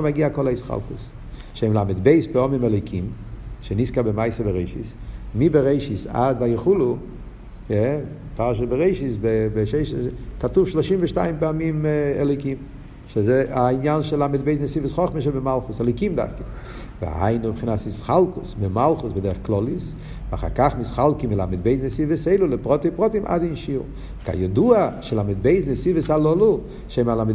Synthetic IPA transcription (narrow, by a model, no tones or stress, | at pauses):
maɡiakɔlˠaɪsχa̰lˠkʊs | ʃeɪmlˠamɪdbeɪspɛɔmimɛlˠɔɪkʰimʃeniskabɪmaɪsəbəɾeɪʃɪ̰s | mibɪɾeɪʃɪsa̰dvajɪχulˠʊ | jɛ | paʁʃəbəɾeɪʃɪsbɪbɪʃeɪʃkatufʃlˠɔʃimvəʃtaɪnpɛamimɛlɔɪkim | ʃɪzeainjanʃɛlˠamɪd̚beɪznəsivəsχɔχməʃ̬ɛbɪmalˠχʊsɛlɔɪkimda̰fkɪ | vɪ̰ha̰ɪnʊbχinasɪsχalˠkʊsbɪmalˠχʊsbɪdɛɾəχklˠɔlˠɪs | va̰χa̰ɾkaχmɪsχalˠkɪmvɪla̰mɪd̚beɪznəsivəseɪlʊlɪpʁɔtipʁɔtɪmʔa̰dinʃiʁ | ka̰jɔduaʃɛlamɪd̚beɪznəsivəsalˠɔlʊ | ʃemalam